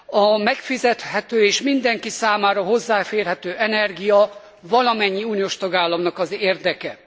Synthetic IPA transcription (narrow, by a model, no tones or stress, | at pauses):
ɒmɛkfizɛt̪hɛt̪øːeːʃmind̪ɛŋkisaːmaːɾɒɦo̞zːaːfeːrɦɛt̪øːʔɛnɛrɡijɒ | vɒlɒmɛɲːiuːnijoːʃt̪ɒɡaːlːɒmnɒkɒzeːrd̪ɛkɛ